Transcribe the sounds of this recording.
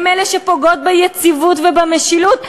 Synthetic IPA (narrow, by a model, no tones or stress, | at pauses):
meleʃepoɡo̞t̚bajet͡sivutvebameʃilut